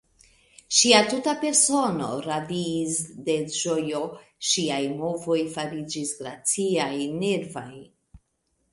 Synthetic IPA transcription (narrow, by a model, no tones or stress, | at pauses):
ʃiatutape̞ɾso̞no̞̰ɾadiːsde̞ʒo̞jo̞ʃiajmo̞vo̞jfaɾid͡ʒisɡɾat͡siajne̞ɾvaj